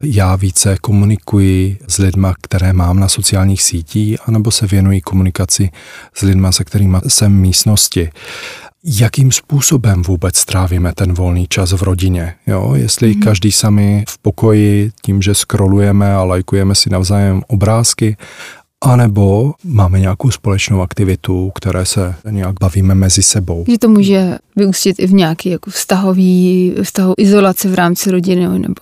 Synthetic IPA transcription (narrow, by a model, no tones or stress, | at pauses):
jaːviːt͡sɛkomunɪkujɪzlɪdmakt̪ɛɾɛːmaːmnasot͡sɪaːlɲiːxsiːciːxanɛbo̞sɛvjɛnujɪkomunɪkat͡sɪz̥lɪdmasɛkt̪ɛɾiːmasɛmːiːst̪noscɪ | jakiːmspuːsobɛmvuːbɛt͡st̪ɾaːviːmɛt̪ɛnvo̞lniːt͡ʃazvɾo̞ɟɪɲɛjo̰ːjɛ̰st̪lɪkaʒdiːsamɪfpokojɪciːmʒɛskɾolujɛmɛalajkujɛmɛsɪnavzaːjɛmobɾaːskɪ | ʔanɛbo̞maːmɛɲɛakowspolɛt͡ʃnowakt̪ɪvɪt̪ukt̪ɛɾʔɛːsɛɲɛjaɡ̚baviːmɛmɛzɪsɛbo̞wʒɛt̪omuːʒɛvɪuscɪt̪ɪvɲɛakiːjakofst̪aɦoviːfst̪aɦuʔɪzolat͡sɛvɾaːmt͡sɪɾoɟɪnonɛ̰bo